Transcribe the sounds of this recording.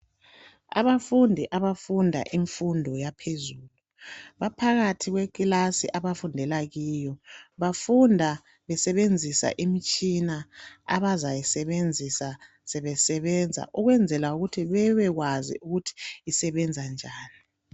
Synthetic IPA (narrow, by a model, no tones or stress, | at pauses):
a̰βafundʱiʔaβafundʱa̰ʔiɱfundʱɔjapʰezuːlu | βapʰaɣatʰiɣwekʼilasḭʔaβafundʱɛlaɣiːjɔβafundʱa | βɛsɛβend͡zʱisa̰ʔimit͡ʃʼinaa̰βazajisɛβend͡zʱisa | sɛβɛsɛβɛnd͡zʱa̰ʔuɣwɛnd͡zʱɛlauɣutʰiβɛβɛɣwazḭʔuɣutʰi̥ːsɛβɛnd͡zʱand͡ʒʱaːni